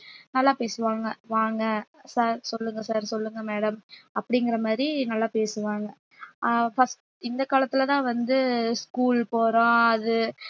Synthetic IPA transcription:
nɐlːaːpeːsɯʋaːŋɡɐʋaːŋɡɐsaːɾsɔlːɯŋɡɐsaːɾsɔlːɯŋɡɐmeːɽɐmɐpːɐɽɪŋɡɪɾɐmaːd̪ɾinɐlːaːpeːsɯʋaːŋɡɐ | fɐsʈ | ɪnd̪ɐkaːlɐt̪ːɪlɐt̪ãːʋɐnd̪ɯskuːlpoːɾãːɐðɯ

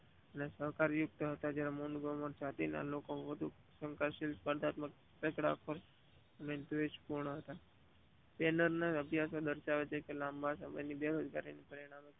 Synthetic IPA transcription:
ənesəɦkaɾjʊk̚t̪ɦət̪ad͡ʒjaɾemunɡoməɾt͡ʃat̪ina̰lokoʋəd̪ʱu | sə̃ŋkaɾʃilspəɾd̪ʱat̪mək | pekɽa̰kʰəɾ | ənent̪uʋet͡ʃpuɾɳəɦət̪a | benəɾneəbʱjasod̪əɾʃaʋet͡ʃʰekelãmbasə̰mə̰nibeɾod͡ʒɡaɾinipəɾiɽ̃ame

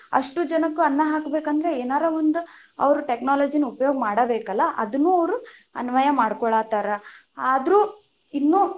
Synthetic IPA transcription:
ɐ̰ʂʈud͡ʒɐnɐkːuɐnːɐɦaːkbeːkɐnd̪ɐɾeeːnaːɾɐʋond̪uɐ̰ʋɐɾuʈeknaːlɐːd͡ʒinɐupɐjoːɡɐmaːɽɐbeːkɐlːɐʔɐ̰d̪unːuːɐʋɾuɐ̰nʋɐjɐmaːɽkɔɭaːt̪aːɾɐaːd̪ɾuː | inːuː

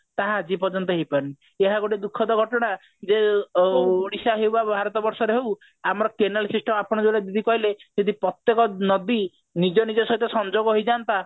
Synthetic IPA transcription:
t̪aɦad͡ʒipɔɾd͡ʒɔnt̪ɔɦejpaɾni | eɦaɡoʈid̪ukʰːɔd̪ɔɡʱɔʈɔɽ̃a | d͡ʒe | oɽisaɦewbabʱaɾɔt̪ɔbɔɾsɔɾeɦew | amɔɾɔkenalsisʈʰɔmapɔɽ̃ɔd͡ʒeblad̪id̪ʱikɔɦiled͡ʒed̪ʱipɾɔt̪jekɔnɔd̪i | nid͡ʒɔnid͡ʒɔsɔɦit̪ɔsɔnd͡ʒoɡɔɦojd͡ʒant̪a

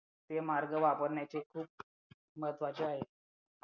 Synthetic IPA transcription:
t̪emaɾɡəʋapəɾɳjat͡ɕekʰuːp̚ | məɦət̪ʰʋat͡ɕeaɦe

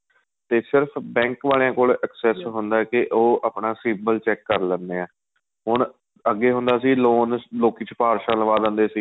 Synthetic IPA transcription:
t̪eːsɪɾpʰbɛ̃ːŋkʋaːlejãːkoːlʔəksɛːsɦʊnd̪aːkɪʔoːəːpɳaːsiːbəlt͡ʃɛːkːəɾlənd̪eːɛː | ɦʊɳ | əɡːeːɦʊ̃nd̪aːsiːloːnloːkiːt͡ʃpaːɾʃãːləʋaːd̪ə̃ːnd̪eːsiː

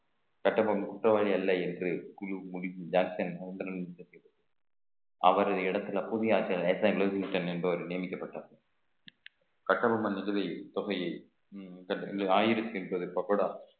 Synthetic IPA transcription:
kɐʈːɐbɐmkʊʈrɐʋaːɻiɐlːɐɛndrɯkʊlumʊɻɪɲd͡ʒaːŋksɐnɐɐnd̪ɐɾɐnnsɐsɛjrɐðɯ | ɐ̰ʋɐɾɐðɐɪɽɐt̪ːɯlɐpːʊðɪjɐaːɾt͡ʃːjalɛsaːɡloːsɪŋʈɐnɛnbɯɐʋɐɾnɪjɐmɪkːɐpːɐʈːaːɐ | kɐʈːɐbɐmɐnɪlɯʋɐɪt̪ɔɣɐj | kɐlaːjɪɾɐt͡ʃːɯnpoːðɯpːɐkːoːɽɐ

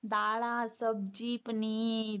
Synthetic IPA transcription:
d̪aːɭaːsəbd͡ʒiːpniː

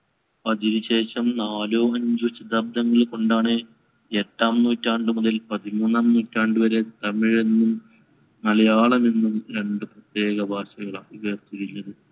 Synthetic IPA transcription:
ɐdiɾiɕe̞ːɕɐmnaːloːɐɲd͡ʑut͡ɕid̪ɐb̚d̪ɐŋːɐɭko̞ɳɖaːɳɨ | eʈːaːmnuːtːaːɳɖɨmuðɐlpɐðimuːnːaːmnuːtːaːɳɖɨʋɐɾe̞t̪ɐmːiɻe̞nːum | nɐlɐjaːɭɐmenːumɾe̞ɳɖɨprɐt̪je̞ːɣɐbʱaːɕɐɣɐɭaːiʋeːrt̪iɾiilːɐðɨ

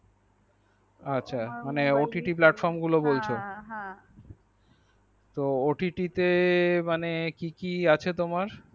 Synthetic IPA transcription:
atːɕʰamaneoʈiʈiplaʈfɔɾmɡulobolt͡ɕʰo | t̪ooʈiʈit̪emanekikiat͡ɕʰet̪omaɾ

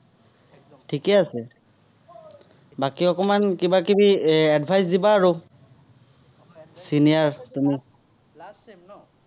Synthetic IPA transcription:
tʰikɛasɛ | bakiɔkɔmankibakibiadbʱajsdibaːɹu | sinijaɹtumi

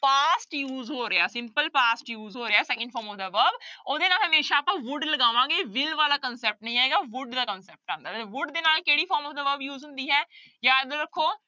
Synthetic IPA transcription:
paːsʈjuːzɦoːɾeaːsɪ̃mpəlpaːsʈjuːzɦoːɾeaːɛːsɛːkə̃ɳɖfʰɔːɾmɔːfd̪aːʋəɾboːd̪eːnaːlɦəmeːʃaːpəʋʊɖləɡaːʋãːɡeːʋɪlʋaːlaːkənsɛːp̚ʈnə̃ĩːaːeːɡaːʋʊɖd̪aːkənsɛːp̚ʈ̚ãːnd̪aːeʋʊɖd̪eːnaːlkeːɽiːpʰɔːɾmɔːfd̪aːʋəɾbjuːzɦʊ̃nd̪iːɦɛː | jaːd̪oɾəkʰːoː

